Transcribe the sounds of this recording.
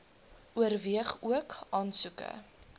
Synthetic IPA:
ʔuərviəχuəkɑːnsukə̰

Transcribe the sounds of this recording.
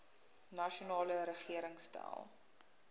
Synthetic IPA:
nɐʃonɑːləɾəχiəɾəŋstæ̰lˠ

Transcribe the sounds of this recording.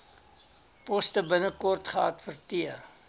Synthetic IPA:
pɔstəbənəkɔrtχəɐtfərtiər

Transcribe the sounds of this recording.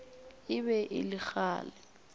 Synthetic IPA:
ɪbɛʔɪ̰lɪk͡xaːlɛ

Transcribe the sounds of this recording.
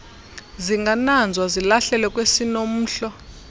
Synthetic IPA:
ziŋɡʱanand͡zʱwazilaɬɛlɛkʼwesinom̩ːɬɔ

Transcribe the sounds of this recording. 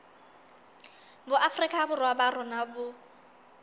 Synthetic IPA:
bʊʔafʊrikʼabʊrwabarʊnabʊ

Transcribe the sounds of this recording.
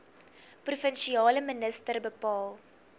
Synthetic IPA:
prufənʃiɑːləmənəstərbəpɑːlˠ

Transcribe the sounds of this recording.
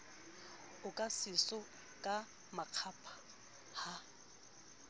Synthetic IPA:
ʊkʼasɪsɔ | kʼa | maq͡χʰaːpʰʼḁ | ha

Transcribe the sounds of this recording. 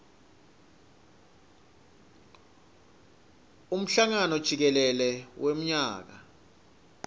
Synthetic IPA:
um̩ɬaŋanɔd̥ʒ̥ʱik̬ɛlɛlɛwʔem̩ɲaːk̬a

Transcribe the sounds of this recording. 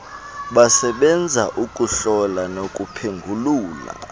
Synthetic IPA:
ɓasɛɓɛnd͡zʱaʔuk̬ʼuɬɔlanokʼupʰeŋɡʱuluːla̰

